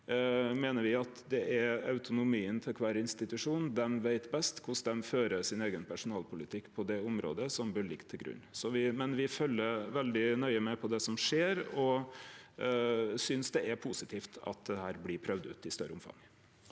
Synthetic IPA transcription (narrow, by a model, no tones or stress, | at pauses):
meːnəɾʋɪɑt̪d̪ɛʔæɾɑʉt̪ʊnʊmiːənt̪ʰɪlkʰʋæːɾɪnst̪ɪt̪ʉʂuːnn̩d̪ɛmʋeɪt̪bɛst̪kʰʊsd̪ɛmføːɾəsɪneːɡənpʰæʂʊnɑːlpʊlɪt̪ʰɪkːpʰɔd̪ɛʊmɾo̰ːd̪əsɔmbəɭɪkt̪ʰːɪlɡɾʉ̰nːsɔʋɪmɛnʋɪfœlːəʋɛld̪ɪnœʏəmɛpʰɔd̪ɛsɔmʂeːɾɔ | sʏnsd̪ɛɛɾpʰusɪt̪ʰiːft̪ʰɑ̰t̪̚d̪ɛhæːɾblɪpʰɾœʋd̪ʉ̰ːt̪ɪst̪œ̰ɾʔəʊmfɑ̰ŋ